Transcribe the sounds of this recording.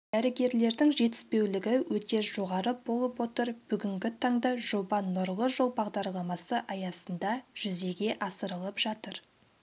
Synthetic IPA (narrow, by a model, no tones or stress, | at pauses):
d̪̥æɾɪɡʲe̞ɾle̞ɾd̪ɪŋʒe̞t̪ɪ̥spe̞wlɪɡʲɪwɵt̪e̞ʒo̞ʁɑɾəbo̞lˠəpwo̞t̪əɾb̥ʏɡʲɪŋɡʲɪt̪ʰɑŋd̪ɑʒo̞bɑnːʊɾʁˠəʒo̞lˠbɑʁd̪ɑɾlˠɑmɑsəʔɑjɑsənd̪ɑʒ̥ʏze̞ɡʲe̞ʔɑsəɾəlˠəpʒ̥ɑt̪əɾ